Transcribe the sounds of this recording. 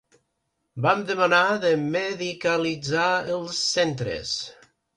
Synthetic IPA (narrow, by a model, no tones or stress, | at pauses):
bamd̪əmənaðəməðikəlid͡zaəlˠsːɛnt̪ɾə̰s